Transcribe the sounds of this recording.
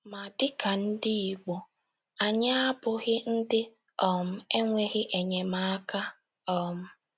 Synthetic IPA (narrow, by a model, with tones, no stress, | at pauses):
ma˨dɪ˦ka˨n̩˦dɪ˦i˨ɡ͡bo˨ | a˨ɲa˦a˦bʊ˨ɣɪ˦n̩˦dɪ˦ | ɔ˨m̩˦e˦ŋʷe˦ɣɪ˦ʔe˨ɲe˨ma˦a˦ka˦ | ɔ˨m̩˦